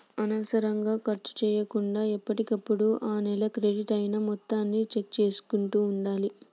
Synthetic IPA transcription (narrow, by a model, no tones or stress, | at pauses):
ɐnɐsɐɾɐŋɡaːkɐɾt͡ʃu̥t͡ʃɛːjɐkuɳɖaːipːɐʈikɐpːuɽuʔaːnɛlɐkɾeɖiʈɐjnamɔt̪ːaːnːit͡ʃek̚t͡ʃe̞ːsu̥kuɳʈuːɳɖaːli